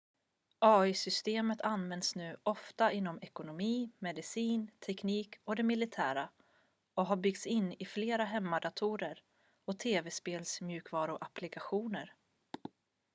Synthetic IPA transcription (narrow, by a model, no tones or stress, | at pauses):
ʔɑːʏsʏst̪eːmət̪ʰanvɛnd̪snʉ̟ːʔɔft̪aʔɪnːɔmɛkʊnʊmiːmɛd̪ɪsiːnt̪ʰɛkniːkɔd̪ɛmɪlɪt̪ʰæːɾa | ɔɦaɾbʏɡ̚t̪sɪnːɪfleːɾaɦɛmːad̪at̪ʰuːɾəɾ | ɔt̪ʰeːvɛspeːlsmjʉ̟ːkvɑːɾʊʔaplɪkaɧuːnəɾ